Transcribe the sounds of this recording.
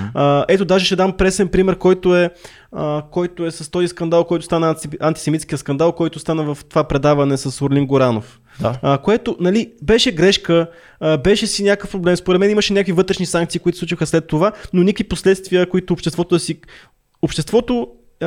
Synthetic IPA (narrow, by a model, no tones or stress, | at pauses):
ɛt̪od̪aʒɛʃɛd̪ampɾɛsɛnpɾimɛɾkɔjt̪oɛ | əkɔjt̪oɛsɐst̪ɔziskɐnd̪alˠkɔjt̪o̥st̪anəɐnt̪isɛmit̪sk̟ijəskɐnd̪alˠkɔjt̪ost̪anəvəft̪ovapɾɛd̪avɐnɛsɐsoɾlʲiŋɡoɾanof | koɛt̪onɐlibɛʃɛɡɾɛʃkə | bɛʃɛsinʲakəfpɾoblɛmspoɾɛt̪mɛniməʃɛnʲakvivɤt̪ɾɛʃnisaŋk̚t̪siːkʊit̪o̥sˠut͡ʃixəslɛt̪ːovanonʲikviposlɛt̪st̪viəkoit̪ʊːpʃt̪ɛst̪vɔt̪od̪ɐsi | opʃt̪ɛst̪vɔt̪o